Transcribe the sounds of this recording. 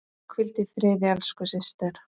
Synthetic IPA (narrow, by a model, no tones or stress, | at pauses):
kʰvɪlt̪ɪfɾɪːðɪalskʏsɪnst̪ɛɾ̥